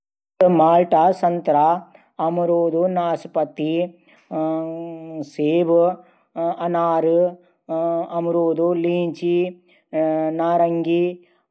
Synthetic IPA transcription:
maːlʈaːsɐnt̪ɾa | ɐmuɾoːd̪unaːsipɐt̪i | seːʋ | ɐnaːɾɨ | ɐmuɾoːd̪uliːɲt͡ʃi | naːɾɐŋɡi

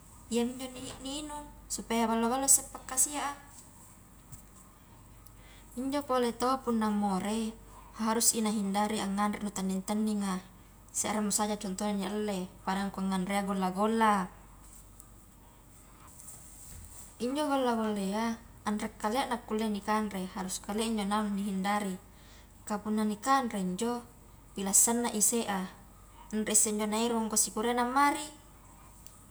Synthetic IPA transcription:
iaiɲd͡ʒonininusupajabalːabalːosepːakːasiaʔa | iɲd͡ʒopolet̪oapunːaŋːoɾe | haɾusinaɦindaɾiaŋːanɾiʔnut̪anːiŋt̪anːiŋa | sḛʔɾamːusad͡ʒat͡ʃɔnt̪onaɲaʔəlːepaɾaŋkuaŋːanrɾeaɡolːaɡolːa | iɲd͡ʒoɡolːaɡolːeaː | nrekːaleaʔnakːulːenikanrehaɾuskaleiɲd͡ʒonaunːiɦindaɾi | kapunːanikanɾeiɲd͡ʒo | pilasːanːaʔiseʔa | nreisːeiɲd͡ʒonaiɾuaŋɡosikuɾenamːaɾi

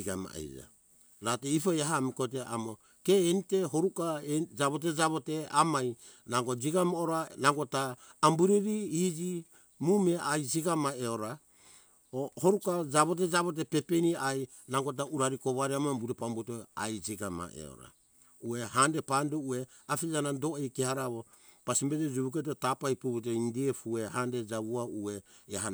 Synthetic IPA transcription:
iɡama̰a̰jɾ̰a̰ | ɾateipojaɦamikot̬eʔamo | keːnite̞ɦo̞ɾukaed͡ʒaβot̬ed͡ʒaβoteamaj | naɡod͡ʒiɡamooɾanaɡotaːmbuɾiɾiid͡ʒi | mumeʔajd͡ʒiɡamaeoɾa | oho̞ɾukad͡ʒaβo̞t̬e̞d͡ʒaβot̬epe̞peniaj | naŋɡot̬auɾaɾikoβaɾiamabuɾepambotoa̰jd͡ʒiɡama̰ḛo̰ɾa̰ | ue̞handepandoue̞ | afid͡ʒanado̞ejkehaɾaβo | pasimbeted͡ʒiβuk̬et̬otapajpuβut̬eindiefue̞handed͡ʒaβuaueːha

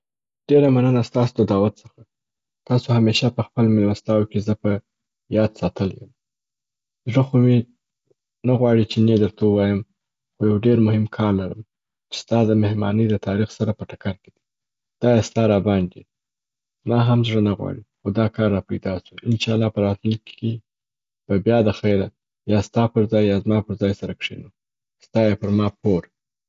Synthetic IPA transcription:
ɖ̥eɾamanənast̪ɑsod̪əd̪ɑwat̪səxa | t̪ɑsohameʃapəxpəlmɪlmast̪ɑwkezəpə | jɑd̪sɑt̪əljə̰m | zʐəxome | naɣwɑɽit͡ʃened̪əɾt̪awəwɑjəm | xojawɖeɾmʊɦɪmkʰɑɾlaɾəm | t͡ʃe̥st̪ɑd̪əmehmɑ̰nəd̪ət̪ʰɑɾixsaɾapəʈakaɾked̪i̥ | d̪̥ɑjest̪ɑɾɑbɑnd̪i | zmɑɦamzʐənaɣwɑ̰ɽixod̪ɑkɑɾːɑpajd̪ɑsuɪnʃɑlːɑpəɾɑt̪lunkʰe | b̥abjɑd̪əxajɾa | jɑst̪ɑpəɾzɑjːɑzmɑpəɾzɑjsaɾakʂḛnu | st̪ɑjepəɾmɑpʰoɾ

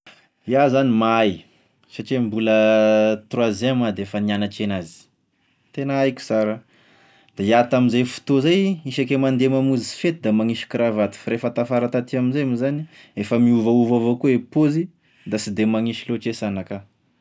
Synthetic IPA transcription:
iazanimaj | saʈ͡ʂembulət̪rwazɛmad̪eefənianaʈ͡ʂenazi̥ | t̪enaajkʲu̥saɾa | d̪̥aiat̪aminzajfu̥t̪ozajiʃakemand̪emamuzi̥fet̪uid̪amaŋiʃi̥kɾavat̪i̥fɾefət̪afaɾat̪at̪iaminzajamizani | efəmiuvauvavokuepozi | d̪asid̪emaŋiʃiloʈ͡ʂesanaka

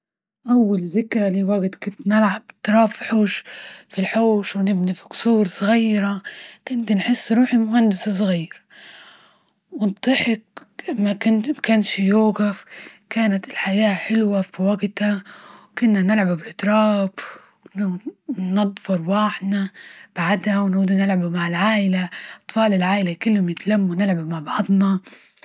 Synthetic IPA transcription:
ʔawːalzɪkɾˤaliːwaɡt̪kʊnt̪nɪlʕabt̪ːɾˤɑːfiħuːʃfilħoːʃwnɪbnifikʊ̥suːɾˤsˤɣiːɾakʊnt̪nħɪsːɾuːħimʊhand̪ɪsas̬ˤɣiːɾ | wɪnt̪ˤːɨħɪq | makʊnt̪kanʃjoːɣafkaːnat̪ɪlħajaːħɪlwafiwaɡt̪awkʊnːanɪlʕabubɪʔt̪ɾˤɑːb | nʊnɑd̪ˤfɑɾˤwaːħd̪nab̥aʕad̪awnʕuːd̪unɪlʕabumaʕɪlʕaːʔɪlaʔɑt̪ˤfɑːlɪlʕaːʔɪlakɪlːhʊmjɪt̪alamːunɪlʕabmaʕbɑʕðˤnɑ

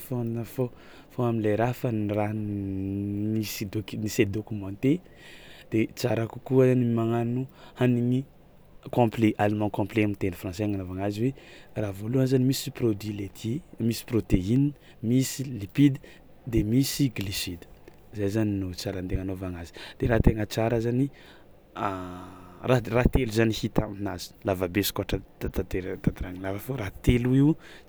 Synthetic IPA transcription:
fonnəfo | foamilejɾafənira | nisid̪oknised̪okumɑ̃t̪e | d̪̥et͡saɾaku̥kuəzanimaŋanuhaniŋi | kõpleʔalemɑ̃kɔ̃mpleamint̪enifrɑ̃seŋanovaŋaziwe | ravoluanzanimisiprod̪wilet̪ʰimisi̥prot̪eini | misilipid̪i̥ | d̪emisiɡlisid̪i̥ | zajzaninut͡saɾant̪eŋanovaŋazi̥d̪̥eɾaːt̪eŋət͡saɾazani | a | rarat̪eluzanihit̪aminazi̥lavabesi̥kaʈ͡ʂat̪at̪at̪eɾt̪ad̪ɾaŋilavafoɾat̪eluiw

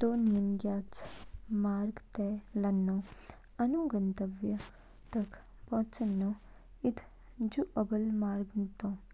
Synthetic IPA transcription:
d̪oːnijənɡjaːt͡smaːɾɡt̪ɛlɐnːõ | ɐnuɡənt̪əʋjə | t̪ɐkʰ | põːt͡ʃənːõː | ɪt̪ʰ | d͡ʒuʔəbəlmaːɾɡmt̪õː

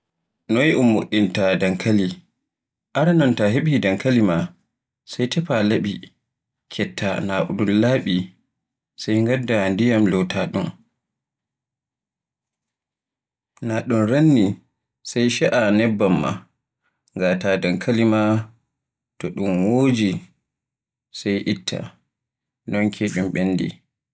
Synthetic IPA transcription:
nɔjiʔumːoɗːintadaŋkʰali | ʔaɾanɔntaɦeɓidaŋkalima | sajtɛpalaɓi | kʰɛtːanaʔṵɗunlaːɓi | sajŋɡadːandijamlɔtʰaɗun | naɗunɾanːi | sajʃɛʔanɛbːamːa̰ | ŋɡatadankʰalima | tɔɗumwoːd͡ʒi | sajʔitʰːa̰ | nɔnkʰeɗumɓenːdḭ

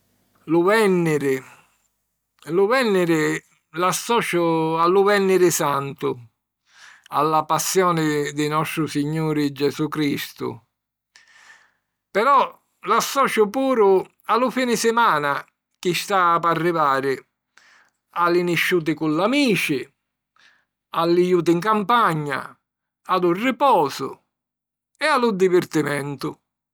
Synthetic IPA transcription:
lʊvɛnːɪɾɪ | lʊvɛnːɪɾɪ | lasːɔːt͡ʃʊalːʊvɛnːɪɾɪsant̪ʊ | alːapasːjɔːnɪd̪ɪnɔst̪ɾʊsiɲːuːɾɪd͡ʒɛzukɾist̪ʊ̰ | pɛɾɔ | lasːɔːt͡ʃʊpuːɾʊ | alʊfiːnɪsɪmaːna | k̟ɪst̪aːparːivaːɾɪ | alːiniʃːuːt̪̬ɪkʊlːamiːt͡ʃɪ | alːijuːt̪̬iŋkampaɲːa̰ | ad̪ʊrːipɔːsʊ̰ | ɛalːʊd̪ivɪrt̪imɛnt̪ʊ

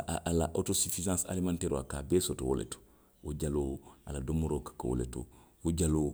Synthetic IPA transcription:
ʔalaʔotosifizãːsa̰limãntɛːɾoa̰kaːbɛːsɔtowo̰lɛ̰to̥ | woɟaloaladomoɾokḁkawo̰lḛto̰woɟaloː

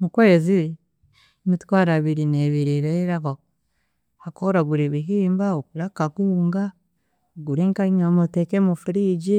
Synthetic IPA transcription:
mukweːzi | mitkwaːɾaβiɾineβiɾiɾeɾaka | akoɾaɡuɾiβiɦiːmbaokuɾakakuːŋɡa | oɡuɾeŋkaŋamotekemufuɾiɟi

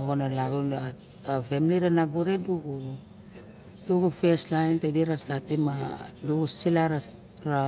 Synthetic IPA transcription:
oɡonalaɡuna | femiliɾanaɡuɾeduɡu | duɡufeslajntediɾastatimaduɡussilaɾa | ɾa

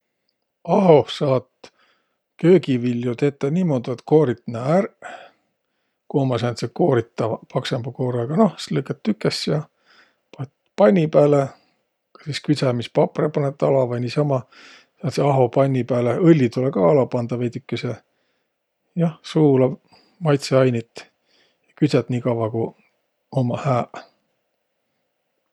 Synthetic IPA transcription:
ɑɦo̞sɑːt̪ | kø̞ːɡivilʲːjot̪e̞t̪ːˑɑnʲiːmoːd̪̥uet̪ko̞ːɾit̪næːɾ | koːmɑs̬ɑnt̪seko̞ːɾit̪ːɑpɑksemb̥ɑko̞ːɾɑɡ̥ɑno̞hslɨkːˑet̪ːykːˑesjɑ | pɑt̪ | pɑjnʲːipæːle | kɑ̥siskysæmispɑprepɑnet̪ːˑɑlɑvɑnisɑmɑ | sɑnt̪seɑɦo̞pɑnʲːipæːleʔɤlʲːit̪ulekɑːɑlɑpɑnd̪̥ɑvejd̪ykːese | jɑhsuːlɑ | mɑjt̪seɑjnʲit̪ːˑ | jɑkyt̪sæt̪niːkɑwvɑku | omɑhæːʔ

